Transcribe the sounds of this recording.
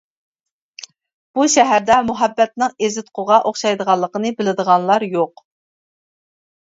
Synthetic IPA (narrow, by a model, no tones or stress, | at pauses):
b̥uʃɛɦæɾd̪ɛmuɦɛbːɛt̪̚nɨŋezɪt̪̚qʰʊʁɑʔoχʃɑjd̪əʁɑlˠːəqənɨbɪlɪd̪əʁɑnlˠɑɾjoq